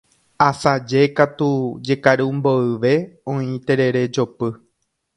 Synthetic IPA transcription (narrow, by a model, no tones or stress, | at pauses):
asad͡ʒe̞kat̪ud͡ʒe̞kaɾɨmbo̞ɨʋe̞õĩt̪e̞ɾe̞ɾe̞d͡ʒo̞pɨ